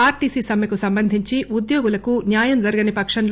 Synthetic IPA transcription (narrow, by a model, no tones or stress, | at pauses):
aːɾʈiːsiːsɐmjɐkusɐmbɐnd̪ʱiɲt͡ʃiʔud̪joːɡulɐkunjaːjɐmd͡ʒɐɾɐɡɐnipɐkʂɐnl